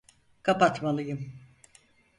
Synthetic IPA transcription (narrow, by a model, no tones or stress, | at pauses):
kʰapat̪malˠɯjɯm